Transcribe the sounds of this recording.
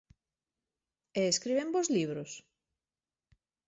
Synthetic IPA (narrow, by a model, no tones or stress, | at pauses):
eeskɾiβẽmbozliβɾʊs